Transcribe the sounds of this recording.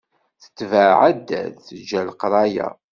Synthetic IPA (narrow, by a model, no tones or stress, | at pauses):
θə̥t͡sːvaʕæd̪ːæ̰ðθəd͡ʒːælqɾˤɑjæ̰